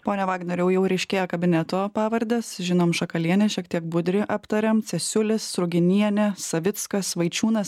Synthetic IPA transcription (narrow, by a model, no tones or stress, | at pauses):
poːnʲɛʋɑːɡnʲɛɾʲɛʊjɛʊɾʲɛɪʃʲkʲeːjɛkɐbʲɪnʲɛt̪oːpɑːʋɐɾʲd̪ʲɛsʒʲɪnoːmʃɐkɐlʲiɛnʲɛʃʲiɛk̚t̪ʲiɛk̚bʊd̪ʲɾʲɪʔɐpt̪ɐɾʲɛmt̪ʲɛsʲʊlʲɪsːɾʊɡʲɪnʲiɛnʲɛsɐʋʲɪt̪skɐsʋɐɪt͡ʃʲuːnɐs